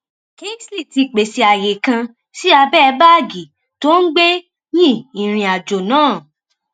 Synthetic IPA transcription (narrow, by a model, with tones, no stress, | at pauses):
ke˦sli˦˨ti˧k͡pe˨si˨a˨je˨kã˧ | si˦a˧bɛ˦˧˦ba˦˨ɡi˨ | to˦n̩˦ɡ͡be˦ | jĩ˦˨ĩ˨ɾ̃ĩ˧a˨d͡ʒo˨nãː˦˨